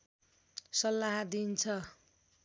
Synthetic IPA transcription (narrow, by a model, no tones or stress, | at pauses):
sʌlːaɦad̪int͡sʰʌ